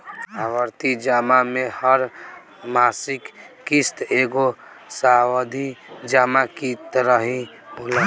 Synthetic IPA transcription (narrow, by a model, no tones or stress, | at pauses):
awəɾt̪id͡ʒamamehəɾ | masikː | ist̪eɡo | sawəd̪ʱid͡ʒamakit̪ɾəɦĩ | bola